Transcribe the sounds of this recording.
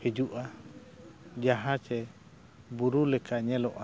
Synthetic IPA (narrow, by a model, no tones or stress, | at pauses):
hɛd͡ʒuʔa | d͡ʒaɦat͡ʃɛ | buɾulɛkaɲɛlɔʔa